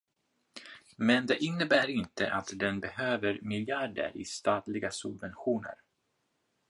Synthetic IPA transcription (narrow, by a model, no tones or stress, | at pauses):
mɛnd̪ɛʔɪnːəbæːɾɪnt̪əʔat̪d̪ɛnbɛhøːvəɾmɪljaɖə̰ɾɪ̰st̪ɑːt̪lɪɡasɵbvɛnɧuːnə̰ɾ